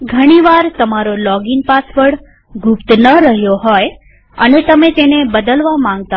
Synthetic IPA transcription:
ɡʱəɽ̃iʋaɾt̪əmaɾolɔɡinpasʋəɽ | ɡʱʊpt̪nəɾəɦjoɦɔj | ənet̪əmet̪enebəd̪əlʋamãŋɡ̚t̪a

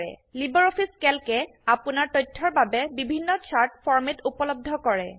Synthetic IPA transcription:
ɛ̰libɔɹopʰiskɛlkɛ | apunaɹtɔjtʰːɔɹbabɛbibʱinːɔsʰaɹtpʰɔɹmitupɔlɔb̚d̪ʱɔkɔɹɛ

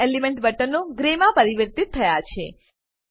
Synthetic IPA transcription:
elimɛ̃ɳʈbəʈənːoɡɾemãpəɾiʋəɾt̪it̪ʰːəjat͡ʃʰe

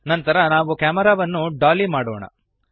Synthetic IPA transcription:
nɐnt̪ɐɾɐnaːʋukaːmɐɾaːʋɐnːuɖaːlimaːɽoːɳɐ̰

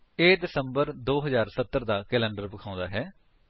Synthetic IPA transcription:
eːɖ̪ɪsəmbəɾd̪oːɦəzaːɾsət̪ːəɾd̪aːkɛːlɛ̃ːɳɖəɾpəkʰãːʊ̃nd̪aːɦɛː

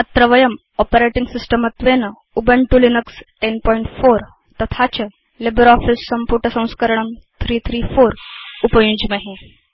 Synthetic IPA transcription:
ət̪ɾəʋəjəm | ɔpəɾeʈiŋɡsisʈəmət̪ʋenə | ubəɳʈulinəksʈenpɔiɳʈfoɾ | t̪ɐt̪ʰat͡ɕə | lebəɾɔfisːɐmpuɾʈəsɐ̃w̃skəɾəɳ̃əmt̪ʰɾiːt̪ʰɾiːfoɾupəjũd͡ʑmeɦẽ

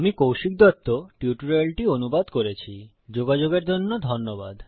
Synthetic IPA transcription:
amikowʃik̚d̪ɔt̪ːoʈiuʈuɾelʈionubad̪koɾet͡ɕʰi | d͡ʑoɡad͡ʑoɡeɾd͡ʑonːod̪ʱonːoba̰d̪

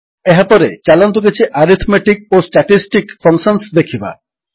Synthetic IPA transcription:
eɦapɔɾet͡ɕalant̪ok̬et͡ɕʰiʔaɾit̪ʰmeʈik̚osʈaʈisʈikfɔŋsonsd̪ekʰiba̰

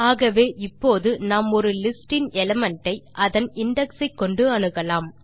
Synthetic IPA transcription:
aːɣɐʋeːʔɪpːoːðɯnaːmɔɾɯlɪsʈɪnɛlɐmɐɳʈːɐɪʔɐðɐnɪɳɖɛksɐɪkːɔɳɖɯɐɳɯɣɐlaːm

